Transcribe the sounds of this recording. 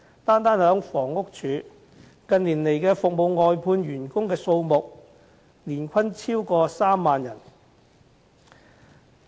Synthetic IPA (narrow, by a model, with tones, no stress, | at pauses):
t̪aː˥nt̪aː˥nhœː˨˥ŋfɔː˨˩ŋʊ˥k̚t͡ʃʰyː˨˧˥ | kɐ˧nliː˨˩nle˨˩jkɛː˧fʊ˨k̚mo˨˧wŋɔː˨jpʰuː˧nɥyː˨˩nkʊ˥ŋkɛː˧so˧wmʊ˨k̚ | liː˨˩nkʷʰɐ˥nt͡sʰiː˥wkɔː˧saː˥mːaː˨njɐ˨˩n